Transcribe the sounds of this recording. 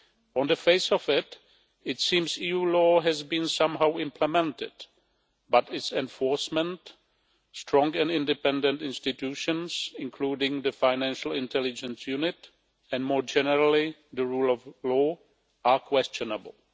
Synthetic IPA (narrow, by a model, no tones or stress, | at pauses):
ɔ̃ndəfeɪsɔfɪt | ɪtsĩːmsiːjuːlɔːɦɛzbĩnsãmɦawɪ̃mpʰlɛmɛ̃ntɪ̰d | batɪtsɛ̃ɱfɔɹsmɛ̃nt | stɹɔ̃ŋɡɛ̃nɪ̃ndɪpɛ̃ndɛ̃ntɪ̃nstɪtjuʃə̃nsɪ̃nkʰluːdɪ̃ŋðəfaɪnæ̃nʃl̩ˠɪ̃ntʰɛlɪd͡ʒə̃nsjunɪt | ɛ̃nmɔːɹd͡ʒɛnəɹalɪðəɹuːlˠɔvlɔː | akʰwɛst͡ʃɔnəbl̩ˠ